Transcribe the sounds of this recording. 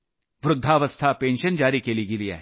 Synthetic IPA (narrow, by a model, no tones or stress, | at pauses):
ʋɾʊd̪ʱːaːʋəst̪ʰapeːnʃənd͡ʒaːɾikeliɡilia̰ːɦ